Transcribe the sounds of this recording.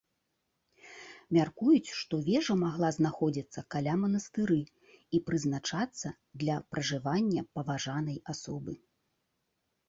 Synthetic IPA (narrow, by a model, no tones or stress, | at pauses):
mʲarkujut͡sʲʂt̪ɔvʲɛʐɐmaɣlˠaznaxɔd͡zʲit̪sːɐkalʲamɐnɐst̪ɨɾɨ | ipɾɨznat͡ʂat̪sːɐ | d̪lʲɐpɾɐʐɨvanʲːɐpɐvaʐanɐjasɔbɨ